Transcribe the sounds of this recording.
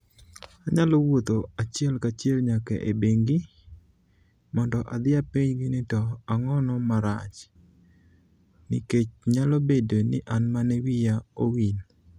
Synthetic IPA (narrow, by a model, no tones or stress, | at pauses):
aɲalɔwot̪oat͡ʃjɛlkat͡ʃelɲakɛ̰ʔebeŋɡɪ | mɔndɔʔad̪ɪapiɲɡɪnɪtɔaŋɔnɔmaɾa̰t͡ʃ | nɪ̰ket͡ʃɲalobedonɪʔanmanɛwijaowin